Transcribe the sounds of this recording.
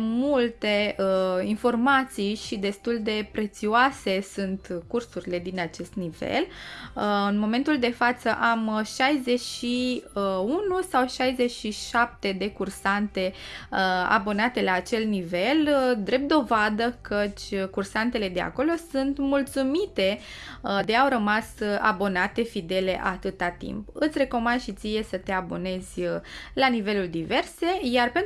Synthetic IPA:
mult̪e̞info̞rmat̪sijʃid̪e̞st̪uld̪e̞pɾe̞t̪sioase̞sunt̪kursuɾile̞d̪inat͡ʃe̞st̪nivḛl | ɨnmo̞me̞nt̪uld̪e̞fat̪səʔamʃajze̞ʃi | unusawʃajzeʃiʃap̚t̪e̞d̪e̞kursant̪e̞əa̰bo̞nat̪e̞laːt͡ʃe̞lnive̞ld̪ɾe̞p̚t̪d̪o̞vad̪əkət͡ʃʲkursant̪e̞le̞d̪e̞a̰ko̞lo̞sunt̪mult̪sumit̪e̞ | d̪e̞awɾəmasa̰bo̞nat̪e̞fid̪e̞le̞̰ʔat̪ɨt̪at̪ḭmpɨt̪sʲre̞ko̞mand̪ʃit̪sije̞sət̪e̞abo̞ne̞zʲlanive̞luld̪ive̞rse̞jarpe̞n

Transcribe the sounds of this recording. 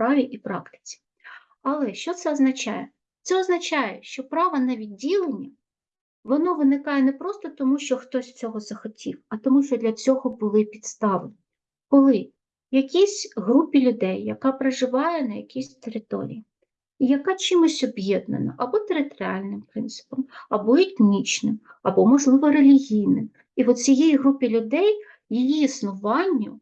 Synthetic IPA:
pɾɑʋʲiʔipɾɑkt̪ɪ̥t͡sʲi̥ | ɐlˠɛʃt͡ʃɔt̪sɛɔznɐt͡ʃɑ̰jɛ | t̪sɛɔznɐt͡ʃɑjɛʃt͡ʃɔpɾɑʋɐnɐʋʲidʲːilˠenʲːɐ | ʋɔnɔʋɪnɪkɑjɛnɛpɾɔst̪ɔt̪ɔmuʃt͡ʃɔxt̪ɔsʲt͡sʲɔɦɔzɐxɔtʲiwɐt̪ɔmuʃt͡ʃɔd̪lʲɐt͡sʲɔɦɔbʊlˠɪpʲid̪st̪ɑʋenʲ | kɔlˠɪ | jɐkʲisʲɦɾupʲilʲʊd̪ɛjːɐkɑpɾɐʒɪʋɑjɛnɐjɐkʲisʲt̪eɾɪt̪ɔ̰ɾʲḭji | jɐkɑt͡ʃɪmɔsʲɔbjɛd̪nɐ̰nɐ̰ʔɐbɔt̪eɾɪt̪ɔɾʲɪɑ̰lʲnɪmpɾɪnt̪sɪ̥pɔmɐbɔet̪nʲit͡ʃnɪmɐbɔmɔʒlˠɪʋɔɾelʲiɦʲijnɪm | iʋɔt͡sʲijijiɦɾupʲilʲʊd̪ɛj | jijiːsnʊʋɑnʲːʊ

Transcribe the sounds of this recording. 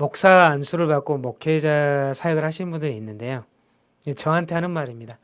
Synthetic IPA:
mok̚s͈aːnsʰuɾɯɭpak͈omokʰed͡ʑasʰajʌɡɯɭhaɕʰinnbundɯɾiːnːɯnde̞jo | et͡ɕʌɦantʰe̞ɦanɯnmaɾimɲida

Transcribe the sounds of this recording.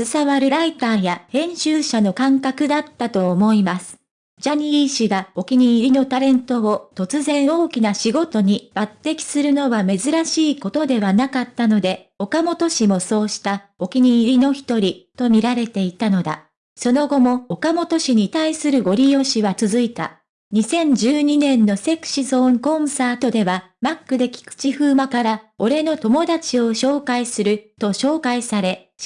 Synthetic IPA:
sɨsaβaɾɯ̟ɾait̪aːjahẽ̞ɰ̃ɕɨːɕano̞kãŋkakɯ̟d̪at̪ːat̪o̞ːmo̞imasɨ̥ | d͡ʑaɲ̟iiɕiɡao̞kʲiɲ̟iːɾʲino̞t̪aɾẽ̞nt̪o̞ot̪o̞t͡sɨzẽ̞ɰ̃o̞ːkʲinaɕiɡo̞t̪o̞ɲ̟ib̥at̪ːe̞kʲi̥sɨɾɯ̟no̞βame̞zɨɾaɕiːko̞t̪o̞d̪e̞βanakat̪ːano̞d̪e̞ | o̞kamo̞t̪o̞ɕimo̞so̞ːɕi̥t̪a | o̞kʲiɲ̟iːɾʲino̞çi̥t̪o̞ɾʲit̪o̞mʲiɾaɾe̞t̪e̞it̪ano̞d̪a̰ | so̞no̞ɡo̞mo̞ːkamo̞t̪o̞ɕiɲ̟it̪aisɨɾɯ̟ɡo̞ɾʲijo̞ɕiβat͡sɨzɨit̪a̰ | ɲ̟isẽ̞ɲ̟d͡ʑɨːɲ̟inẽ̞nːo̞se̞kɯ̟̥ɕizo̞ːŋkõ̞saːt̪o̞d̪e̞βa | makːɯ̟d̪e̞kʲi̥kɯ̥t͡ɕiɸɯ̟ːmakaɾao̞ɾe̞no̞t̪o̞mo̞d̪at͡ɕio̞ɕo̞ːkaisɨɾɯ̟t̪o̞ɕo̞ːkaisaɾe̞ | ɕ

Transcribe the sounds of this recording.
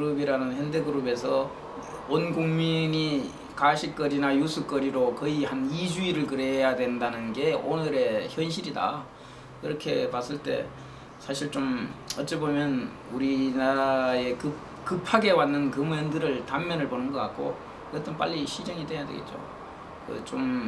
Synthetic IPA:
kɯɾubiɾanɯnhjʌnde̞ɡɯɾube̞sʰʌ | onɡoŋmiɲi | kaɕʰik̚k͈ʌɾinajusʰuk͈ʌɾiɾokʌihanid͡ʑuiɾɯɭkɯɾe̞jadwe̞ndanɯnɡe̞onɯɾe̞çjʌnɕ̬ʰiɾida̰ | kiɾʌkʰe̞pas͈ɯɭt͈e̞̰ | sʰaɕʰiɭt͡ɕ͈omʌt͡ɕ͈ebomjʌn | uɾinaɾe̞kɯ | kɯpʰaɡe̞wanːɯnkɯmʌndɯɾɯɭtammʌnɯɭponɯnɡʌk͈a̰k̚k͈o | ɯɡʌt͈ɯnp͈a̰ʎːiɕʰid͡ʑeŋidwe̞jadwe̞̰ɡet̚t͡ɕo̰ | kɯ̰t͡ɕom

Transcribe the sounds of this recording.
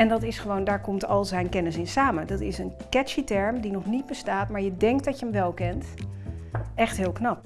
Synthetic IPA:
ɛndɑtɪsχəʋowndaːɹkɔmtɑlˠzɛjnkɛnəsɪnsaːmədɑtɪsənkɛʃitɛɹmdinɔχnid̚bəstaːtmaːɹjədɛŋk̚tdɑcjəəmʋɛlˠkɛnt | ɛχtɦɪːlˠknɑp̚

